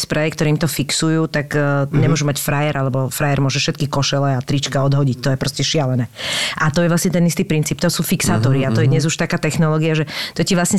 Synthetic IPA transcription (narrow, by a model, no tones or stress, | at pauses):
spɾɛɛkt̪ɔɾiːmt̪ɔfiksujuːt̪akːɲɛmʊɔʒumacfɾajɛɾʔalɛbɔfɾajɛɾmʊɔʒɛfʃɛt̪kikɔʃɛlɛat̪ɾit͡ʃkaɔd̪ɦɔɟic̚t̪ɔjɛpɾɔscɛʃɪalɛnɛːʔat̪ɔjɛvʋlasɲɛt̪ɛnist̪iːpɾint͡siːp̚t̪ɔsuːfiksaːt̪ɔɾiat̪ɔjɛd̪ɲɛzuʃt̪akaːt̪ɛxnɔlɔːɡiaʒɛt̪ɔciʋlasɲɛ